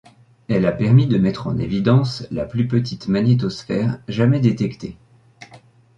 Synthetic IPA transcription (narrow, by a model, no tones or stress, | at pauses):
ɛlapɛʁmid̪əmɛt̪χɑ̰̃nḛvid̪ɑ̃sla̰plypət̪̬it̪manet̪̬ɔsfɛːʁʒamɛd̪et̪ɛkt̪e